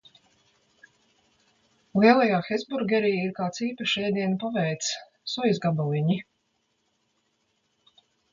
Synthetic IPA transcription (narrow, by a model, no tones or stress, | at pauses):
lˠiɛlˠajaːxɛzbuɾɡʲɛɾijiɾkaːt̪siːpaʃɛjd̪iɛnpavɛjt̪s | sujzɡabɔlˠiɲi